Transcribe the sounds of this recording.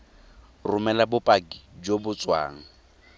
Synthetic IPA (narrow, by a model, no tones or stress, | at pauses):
rʊmɛlabʊpʼakid͡ʒobʊt͡sʼwa̰ːŋ̩